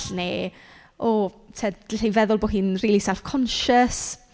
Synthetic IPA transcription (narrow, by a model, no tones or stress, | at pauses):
ɬneː | ɔ | tʰed̥ɪejvɛðʊlˠboːɦɨːnriːlˠisɛlˠfkʰɔnʃəs